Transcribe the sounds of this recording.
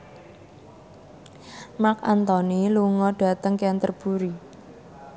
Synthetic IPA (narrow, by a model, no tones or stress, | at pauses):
makant̪ɔniluŋɔɖ̥a̤t̪əŋkeant̪ərb̥uɾi